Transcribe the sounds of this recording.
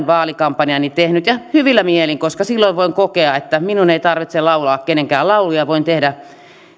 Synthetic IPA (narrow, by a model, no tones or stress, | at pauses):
ʋɑːlikɑmpːɑniɑnit̪ehnyt̪jɑhyʋilːæmieliŋkoskɑsilːoiʋʋoiŋkokeɑet̪ːæminuneit̪ɑrʋit̪sellɑulɑːkkeneŋkæːlɑulujɑʋoint̪ehdæ